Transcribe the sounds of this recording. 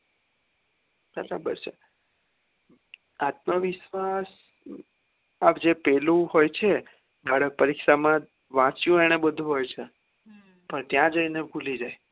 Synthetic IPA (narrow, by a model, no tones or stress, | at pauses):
bəɾa̰bə̰ɾt͡ʃʰe | at̪məʋɪʃʋas | apd͡ʒepɛlũhojt͡ʃʰe | bʱaɽək̚pəɾikʃamã | ʋãt͡ʃjũeɽ̃ebəd̪ʱũɦojt͡ʃʰe | pəɳt̪jãd͡ʒəinebʱulid͡ʒaj